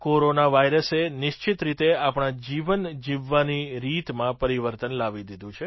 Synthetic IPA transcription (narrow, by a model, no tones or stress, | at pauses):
koɾonaʋajɾəsenɪʃt͡ʃit̪ɾit̪eapɳ̃ad͡ʒiʋənd͡ʒiʋːaniɾit̪mãpəɾiʋəɾt̪ənlaʋid̪id̪ũt͡ʃʰe